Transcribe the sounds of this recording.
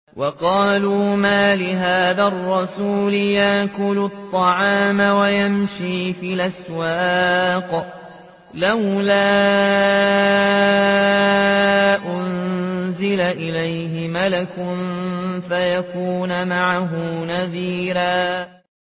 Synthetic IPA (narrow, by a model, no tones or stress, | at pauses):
wʔɑqɑːluːmaːlɪɦaːðarˤːɑsuːlɪjaʔkʊlʊt̪ˤːɑʕɑːmawajamʃiːfiːʔaswaːq | lawlaː | ʔʊnzɪlaʔɪlajɦɪmalakʊnfajakuːnmaʕaɦʊnaðiːɾaː